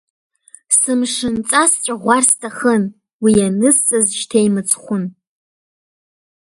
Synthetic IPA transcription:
sɨmʂɨnt͡sʼast͡ʃʷʼaʁʷarstʰaχən | wianɨst͡sʼazʃtʰejmɨt͡sʰʼχʷʊn

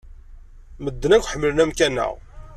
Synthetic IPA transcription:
məd̪ːənækʷːħəmːələnæmkænːæ̰ʁ

